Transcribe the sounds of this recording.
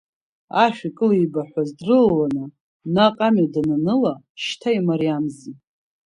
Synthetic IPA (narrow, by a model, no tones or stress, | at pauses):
aʃᶣikʼɨlijbaħʷᶣazdrɨllanɨ | naqʼamadananɨla | ʃtʰaimaɾijamzi